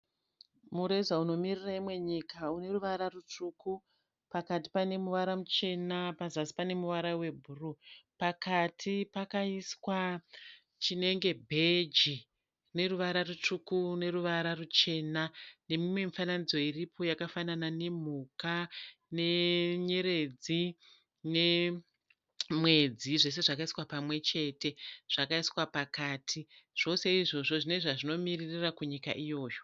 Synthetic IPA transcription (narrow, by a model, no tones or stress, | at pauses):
muɾe̞zauno̞miriraimwe̞ɲikaune̞ruʋaɾarut͡ʂuku | pakati̥pane̞muʋaɾamut͡ʃe̞napazasi̥pane̞muʋaɾawe̞bʱurupakatʰipakaiswa | t͡ʃine̞ŋɡe̞bʱe̞d͡ʒi | ne̞ruʋaɾarut͡ʂukune̞ɾuʋaɾarut͡ʃe̞nane̞mimwe̞mifananid͡zo̞iripʰo̞jakafananane̞m̤ukane̞ɲe̞ɾe̞d͡zi | ne̞ | mwe̞d͡ziʐe̞s̬e̞ʐakaiswapamwe̞t͡ʃe̞te̞ʐ̥akaiswapakaːtʰiʐ̥o̞se̞iʐo̞ʐo̞ʐineʐaʐino̞miririrakuɲika̰ʔijo̞ːjo